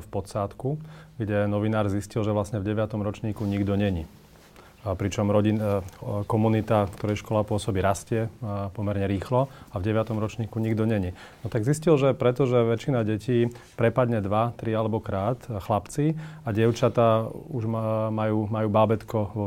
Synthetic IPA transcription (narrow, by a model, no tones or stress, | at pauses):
fpɔt̪saːt̪kuɡɟɛnɔʋinaːɾziscilʒɛʋlasɲɛvɟɛʋɪat̪ɔmɾɔt͡ʃɲiːkuɲiɡd̪ɔɲɛɲi | pɾit͡ʃɔmɾɔɟi | kɔmunit̪akt̪ɔɾɛjʃkɔlapʊɔsɔbiɾascɪɛpɔmɛɾɲɛɾiːxlɔavɟɛʋɪat̪ɔmɾɔt͡ʃɲiːkuɲiɡd̪ɔɲɛɲi | nɔt̪aɡziscilʒɛpɾɛt̪ɔʒɛʋɛt͡ʃinaɟɛciːpɾɛpad̪ɲɛd̪ʋat̪ɾialɛbɔkɾaːt̪xlapt͡siaɟɪɛʊt͡ʃat̪auʒmajuːmajuːbaːbɛt̪kɔʋɔ